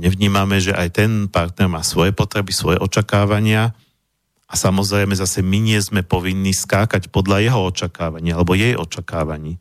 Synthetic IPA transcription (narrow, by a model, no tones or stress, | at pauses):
ɲɛʋɲiːmamɛʒɛʔajt̪ɛnpaɾt̪̚nɛɾmaːsʋɔjɛpɔt̪ɾɛbisʋɔjɛʔɔt͡ʃakaːʋaɲɪa | ʔasamɔzɾɛjmɛzasɛmiɲɪɛzmɛpɔʋinːiːskaːkacpɔd̪ʎajɛɦɔɔt͡ʃakaːʋaɲiːalɛbɔjɛjʔɔ̰t͡ʃakaːʋaɲiː